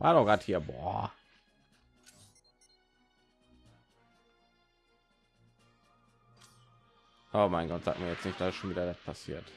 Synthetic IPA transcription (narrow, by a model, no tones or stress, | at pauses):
va̰dɔɡ̥aːthiːɐbɔ̰ | ʔoːmaɪnɡɔtz̥a̰ːk̚tmiɐjɛt͡snɪçtd̥aːɪsʃoːnviːdɐdat̚pʰasḭːɐt